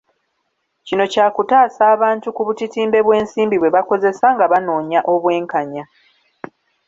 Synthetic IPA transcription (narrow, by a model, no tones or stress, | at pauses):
cino̞caːkutaːsaːβaːntukuβutitiːmbe̞βwe̞ːnsiːmbiβwe̞βako̞ze̞saŋɡaβano̞ːɲaʔo̞βwe̞ːŋkaɲa